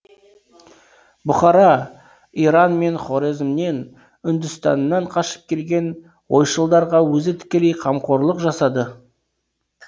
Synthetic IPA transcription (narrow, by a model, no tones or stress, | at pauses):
bʊχɑɾɑ | iɾɑnme̞nχo̞ɾezmne̞n | ʏnd̪ʏst̪ɑ̰nːɑɴqʰɑʃə̥p̚kʲʰe̞lɡʲe̞n | wo̞jʃəlˠd̪ɑɾʁɑwɵzɪt̪ʰɪ̥kʲe̞le̞jqʰɑmqo̞ɾlˠəqʒɑsɑd̪ə